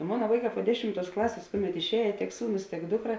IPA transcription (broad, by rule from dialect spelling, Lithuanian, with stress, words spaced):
ˈmoːnɐ ˈʋɐɪˌkɑː poː ˈdʲæːʃʲɪmˌtuɔs ˈklˠɑːsʲeːs ˈkʊˌmʲɛt ɪʃʲˈɛːjeː tʲiɛk ˈsuːˌnʊs tʲiɛk ˈdʊkˌrɐ